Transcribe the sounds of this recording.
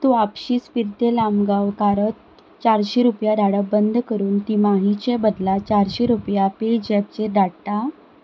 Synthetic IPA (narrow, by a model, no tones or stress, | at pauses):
t̪uapɕiːspiɾt̪elamɡawkaɾət̪ | t͡ɕaɾɕeɾupjaɖaɽabənd̪ʱkəɾuːnt̪imaɦit͡ɕebəd̪lat͡ɕaɾɕeɾupjaped͡ʑɛp̚t͡ɕeɾɖaɽt̪a